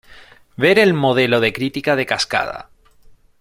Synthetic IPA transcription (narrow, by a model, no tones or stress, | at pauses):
be̞ɾe̞lmo̞ð̞e̞lo̞ð̞e̞kɾit̪ikaðe̞kaska̰ð̞a̰